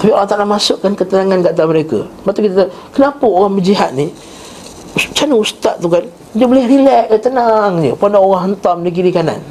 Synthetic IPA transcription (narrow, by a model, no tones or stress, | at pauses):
t̪apioɾaŋt̪aɾamasʊʔkːankət̪ənaŋanɡaʔt̪aməɾekə̰bat̪ukit̪t̪ə | kənapəoɾaŋməd͡ʒiɦat̪̚ni | t͡ʃanəust̪at̪̚t̪ːukan | dəbolɛhɾilɛʔət̪ənaŋd͡ʒəpandaoɣaŋɦənt̪amdiɡiɾikana̰n